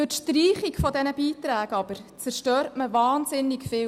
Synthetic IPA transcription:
øtʃtriːχikfɔdɛnəbiːtɾæːɡɑb̥əɾt͡sæɾʃtøːɾtməʋɑːnsɪnːɪkfɪː

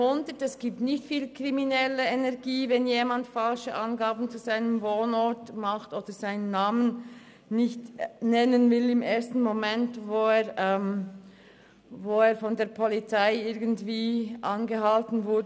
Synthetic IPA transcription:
ʊndətɛsɡ̥iːp̚tnɪçtfiːlkʁiminɛləenɛɐɡiːvɛnjeːmandfalʃəʔɑnɡaːbn̩t͡suzaɪnəmvoːnɔɹtmaχtʔoːd̥əz̥aɪnənːaːmən | nɪçtnɛnənvɪlɪmʔeːɐstn̩momɛntvoːeːʁɛm | voːeːɐfɔndeːɐpʰɔlit͡saɪɪɐɡən̩tv̥iːʔanɡəhaltn̩vʊɐdə

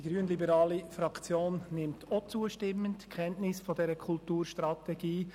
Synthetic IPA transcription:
d̥iɡɾyːənlibəɾɑːlifɾɑkt͡sjoːnnɪmtʰot͡suəʃtɪmːəntkʰɛntnɪsfɔdɛɾəkʰultuːɾʃtɾɑtɛɡ̥iː

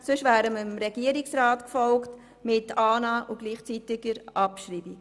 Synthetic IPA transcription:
sɵʃvæːɾəməmɾɛɡ̥iəɾiksɾaːtkfɔlkt | mɪtɑːnɑːʔuɡ̥liːχt͡sitɪɡəɾʔɑpʃɾiːbi

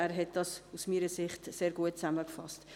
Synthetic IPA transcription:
æːɾɦɛt̚d̥ɑsusmiːɾəsɪχtseːɾɡuət̚t͡sæməkfɑ̰st

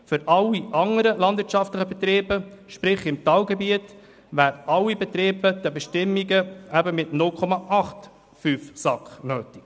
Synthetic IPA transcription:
fʏɾʔɑlːiʔɑŋəɾəlɑndvɪɾt͡ʃɑftləχəbɛt̪ɾeːbəʃpɾɪχɪmtɑːlɡɛbiət | ʋæːɾʔɑlːibɛt̪ɾeːbəd̪̥ɛbɛʃtɪmːiɡəæbəmɪtnʊlkʰɔmɑʔɑχt̪ | fyːfsɑkχnøːtɪk

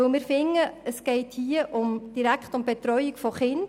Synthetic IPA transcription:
ɵlmɪːɾfɪŋːəəsɡ̥ɛɪthiəʔʊmd̥iɾækχtʊmbɛt̪ɾɔʏikfɔχɪnd

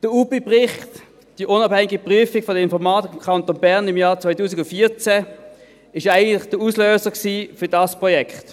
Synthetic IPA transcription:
d̥əupepʁɪχt | d̥iʔʊnɑbhɛŋɪɡipʁyəfɪɡ̥fɔdəɪnfɔʁmɑːtkʰɑntonbɛʁnɪmjɑːʁt͡sʋaɪtuːsɪɡʊntfiːɐt͡sɛ | ɪʃaɪɡən̩tlɪχd̥əusløːsəksiːfʏɐdɑspʁɔjɛkχt

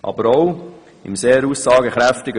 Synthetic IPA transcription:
ʔɑ̰bəɾɔw | ɪmseːɾusːɑːɡəχɾæftɪɡə

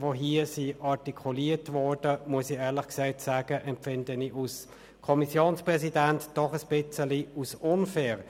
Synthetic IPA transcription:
voɦiːəsiɑʁtikʰuliːətvɔɹd̥əmuəsiɛːʁlɪχksɛɪtsaːɡ̥əʔɛmpfɪndəniʔus | kʰɔmisjoːnspʁɛsidæntd̥ɔχəsb̥ɪt͡səliusʊnfɛːʁ

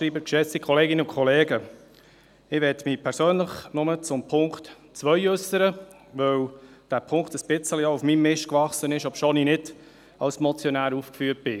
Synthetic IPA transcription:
ɾiːbəkʃɛt͡sikχɔleːɡɪnəʊkʰχɔleːɡə | ɪʋɛtmiːpʰɛɾsøːnləχnʊmət͡sʊmpʰʊŋkt | t͡sʋœjøsːəɾə | ʋœwd̥æːpʰʊŋktəsb̥ɪt͡səlioufmimːɪʃkʋɑχsənɪʃɔpʃoːninɪd | ɑlsmɔt͡sjɔnæːɾuːfkfyːt̚b̥ɪ

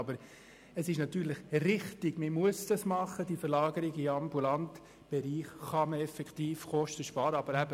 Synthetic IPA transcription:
ɑbəɾ | əsɪʃnɑt̪yːɾlɪχrɪχtɪɡ̥məmuəsd̥ɑsmɑχːəd̥ifəɾlɑːɡəɾɪɡɪɑmbulɑnt̪ | b̥ɛɾiːχːɑməɛfɛkχt̪iːfχɔʃtəʃpɑːɾəɑbəɾæbə

